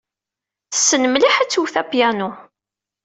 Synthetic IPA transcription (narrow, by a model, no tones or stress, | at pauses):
θə̥sːənəmliħæt͡sːuwθæpjænu